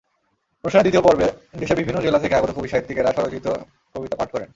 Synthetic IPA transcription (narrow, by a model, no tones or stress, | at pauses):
pɾoʃanad̪it̪iopɔɾbed̪eʃeɾbibʱinːod͡ʑelat̪ʰekeaɡot̪okobiʃaɦit̪ːikeɾaʃɔɾod͡ʑit̪o | kobit̪apaʈ̚kɔɾen